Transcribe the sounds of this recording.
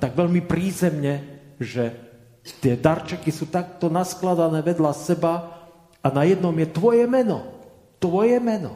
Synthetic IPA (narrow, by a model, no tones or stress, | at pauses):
t̪aɡʋɛʎmipɾiːzɛmɲɛʒɛ | t̪ɪɛd̪aɾt͡ʃɛkisuːt̪ak̚t̪ɔnasklad̪anɛːʋɛd̪lasɛba | anajɛd̪nɔmjɛt̪ʋɔjɛmɛnɔ̰ | t̪ʋɔjɛmɛnɔ̰